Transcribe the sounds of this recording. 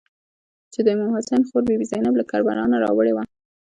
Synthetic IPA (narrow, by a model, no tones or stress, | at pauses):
t͡ʃed̪əmumhasajnxoɾbebizɑjnablakɑɾbaɾɑnaɾɑ̰wəɽewa